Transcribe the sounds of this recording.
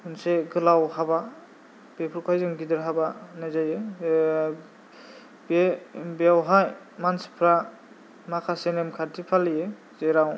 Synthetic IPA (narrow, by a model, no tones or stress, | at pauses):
ɯnseɡɯlawhaba | b̥epʰuɾkʰajzɯŋɡidɯɾɦabanajzaje | bebeawɦaj | mansi̥pʰɾa | makʰasenemkʰaɾtʰipʰalije | zeɾaw